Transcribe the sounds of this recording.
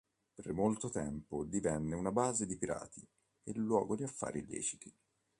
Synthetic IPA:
permolt̪ot̪ɛmpod̪ivɛnːeunabaːzed̪ipiɾa̰ːt̪ʰi | elːwɔːɡod̪iafːa̰ːɾilːɛ̰ːt͡ʃi̥t̪i

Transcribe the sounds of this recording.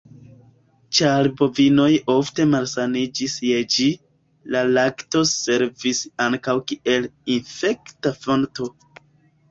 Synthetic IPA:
t͡ʃalbo̞vino̞jo̞fte̞malsanid͡ʒisje̞d͡ʒi | lalakto̞se̞ɾvisaŋkawkiʔe̞linfe̞ktafo̞nto̞

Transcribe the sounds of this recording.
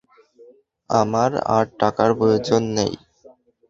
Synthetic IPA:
amaɾa̰ɾʈakaɾpojed͡ʑonːḛj

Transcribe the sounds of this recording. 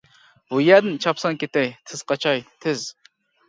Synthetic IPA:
bujæɾd̪ɪnt͡ʃʰɑpsɑŋkʲet̪ɛjt̪ʰɪz̥qʰɑt͡ʃʰɑjt̪ʰɪz̥

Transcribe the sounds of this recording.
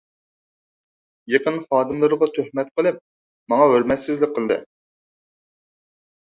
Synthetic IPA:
jeqənχɑːd̪ɨmlˠɨɾɨʁɑt̪ʰøhmɛt̪̚qʰəlˠɨp̚ | mɑŋɑɦøɾmɛt̪sɪzlɪk̚ʲqʰːəlˠd̪ɨ̰

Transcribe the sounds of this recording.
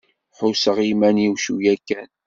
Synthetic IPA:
ħʊsəʁimæniwʃujækːæn

